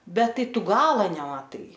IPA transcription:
ˈbʲɛt ˈtɐɪ ˈtʊ ˈɡɑːlˠɐ nʲɛmɐˈtɐɪ

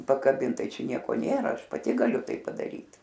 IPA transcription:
pɐkɐˈbʲɪnt ˈtɐɪ ˈt͡ʃʲɛ ˈnʲiɛkoː ˈnʲeːrɐ ˈɐʃ pɐˈtʲɪ ɡɐˈlʲʊ ˈtɐɪ pɐdɐˈrʲiːt

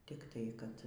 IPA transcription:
tʲɪkˈtɐɪ kɐt

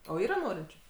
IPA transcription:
oː ˈiːrɐ ˈnoːrʲɪnʲt͡ʃʲʊ

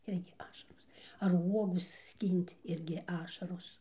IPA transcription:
ˈɪrʲɡʲɪ ˈɑːʃɐroːs ɐr ˈuɔɡʊ ˈsʲkʲiːnʲtʲ ˈɪrʲɡʲɪ ˈɑːʃɐroːs

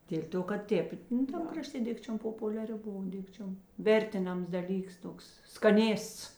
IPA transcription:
dʲeːlʲ ˈtoː kɐt ˈtʲeːp nʊ ˈtɐm krɐˈʃʲtʲeː ˈdʲɪkt͡ʃʲoːm poːpʊlʲɛˈrʲɪ ˈboːʋɐ ˈdʲɪkt͡ʃʲoːm ˈʋʲɛrʲtʲɪˌnɐms dɐˈlʲiːks ˈtoːks skɐˈnʲeːsts

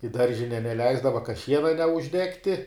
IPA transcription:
ɪ ˈdɐrʲʒʲɪnʲɛ nʲɛˈlʲɛɪzdɐʋɐ kɐ ˈʃʲiɛnɐ nʲɛʊʒʲˈdʲæːktʲɪ

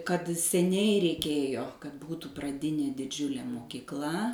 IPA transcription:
kɐt sʲɛˈnʲɛɪ rʲɛɪˈkʲeːjoː kɐt ˈbuːtuː prɐˈdʲɪnʲeː dʲɪˈd͡ʒʲʊlʲeː moːkʲiːkˈlˠɐ

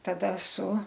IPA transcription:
tɐˈdɐ sʊ

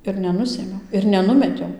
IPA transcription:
ɪr nʲɛˈnʊsʲeːmʲɛʊ ɪr nʲɛˈnʊmʲɛtʲɛʊ

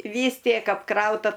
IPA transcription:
ˈʋʲiːs ˈtʲiɛk ɐpˈkrɐʊtɐ

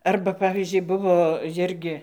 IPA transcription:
ˈɐrbɐ ˈpɑːʋʲiːzʲd͡ʒʲʊɪ ˈbʊʋoː ˈjɪrʲɡʲɪ

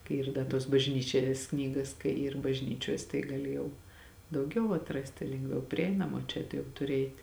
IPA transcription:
kɐɪ ˈiːr ˈdɐ tuɔs bɐʒʲˈnʲiːt͡ʃʲɛs ˈknʲiːɡɐs kɐɪ iːr bɐʒʲˈnʲiːt͡ʃʲuɔs tɐɪ ɡɐˈlʲɪ jɛʊ dɐʊˈɡʲɛʊ ɐtˈrɑːsʲtʲɪ lʲɛŋɡˈʋʲɛʊ pʲrʲɪˈɛɪnɐmɐ oː ˈt͡ʃʲɛ tʊ jɛʊ tʊˈrʲɪ ˈɛɪtʲ

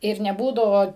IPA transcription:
ɪr nʲɛˈbuːdɐʋoː

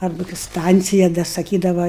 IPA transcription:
ˈɐrbɐ kɐɪ ˈstɐnʲt͡sʲɪjɛ dɐ sɐˈkʲiːdɐʋɐ

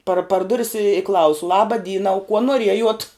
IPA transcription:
pɐr pɐr ˈdʊrʲɪs ɪ ˈklˠɐʊsʊ ˈlˠɑːbɐ ˈdʲiːnɐ ʊ kuɔ nuɔˈrʲiɛjuɔt

